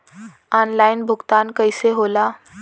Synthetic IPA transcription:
ɔnlajnbʱuɡt̪ankəjseɦola

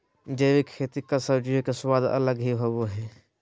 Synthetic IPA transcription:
d͡ʒeːʋikʰːeːt̪ikasəbd͡ʒiokeswaːd̪ɐ̰ləɡɦiɦoboɦɛ

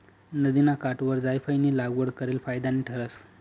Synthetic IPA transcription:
nəd̪inakaʈʋəɾd͡zajfajnilaɡʋəɽkəɾelfajd̪aniːʈʰəɾəs

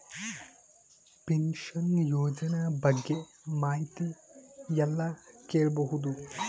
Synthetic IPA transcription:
penʃɐnjoːd͡ʒɐnabɐɡːe | maːjt̪ijɛlːɐkeːɭbɐɦud̪u

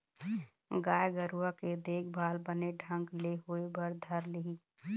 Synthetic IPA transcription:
ɡaːjɡəɾuaked̪eːk̚ʰbʱaːlbəneɖʱə̃ŋɡleɦuebəɾd̪ʱəɾlɪɦiː

